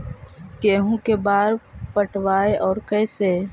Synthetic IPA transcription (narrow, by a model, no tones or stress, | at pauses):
keːɦũkebaːɾpəʈwaːeʔɔːɾkɛːse